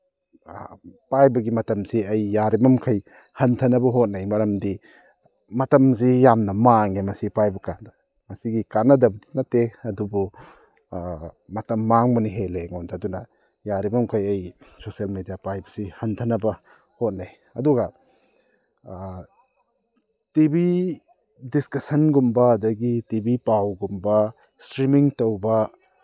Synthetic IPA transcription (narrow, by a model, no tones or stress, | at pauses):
pajbɐɡimɐtɐmsiɐjːaɾibɐmkʰɐj | hɐntʰɐnɐbɐɦot̚nɐjmɐɾɐmdi | mɐtɐms̬ijamnɐmaŋemɐsipajbɐkandɐ | mɐsiɡikanːɐdɐbdinateɐdubu | mɐtɐmːaŋbɐniɦeleŋɔndadunɐ | jaɾibɐmukʰɐjɐjsosɐlmedijapajbɐsihɐntʰɐnɐbɐ | hot̚ne | ɐduɡɐ | tibi | diskɐsɐnɡumbɐːdɐɡitibipawɡumbɐ | stɾimiŋtowbɐ